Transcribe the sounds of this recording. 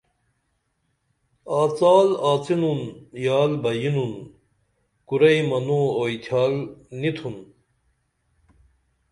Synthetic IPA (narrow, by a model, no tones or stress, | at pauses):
aːt͡saːlaːt͡sinunjaːlbɐjinun | kuɾɐjmɐnooːit̪ʰjaːlnit̪ʰun